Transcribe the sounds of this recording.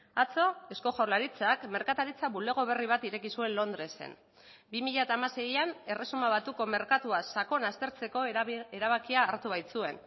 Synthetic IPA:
at͡so̞e̞sko̞ʝawlaɾit͡sakme̞ɾkat̪aɾit͡saβule̞ɣ̞o̞β̞e̞riβ̞at̪iɾe̞kisue̞nlo̞nd̪ɾe̞sḛn | bimiʎat̪aːmase̞jane̞re̞sumaβ̞at̪uko̞me̞ɾkat̪uasako̞nast̪e̞ɾt͡se̞ko̞e̞ɾaβ̞akiaːɾt̪uβ̞ajt͡sue̞n

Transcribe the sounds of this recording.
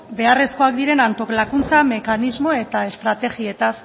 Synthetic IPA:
be̞are̞sko̞akd̪iɾe̞nant̪o̞klakunt͡same̞kanizmo̞e̞t̪ae̞st̪ɾat̪e̞ɣie̞t̪as

